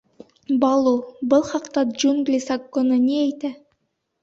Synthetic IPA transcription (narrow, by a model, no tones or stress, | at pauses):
bɑlˠubɤlˠχɑqt̪ɑd͡ʒuŋɡlʲisɑkːonɤnʲiæjt̪æ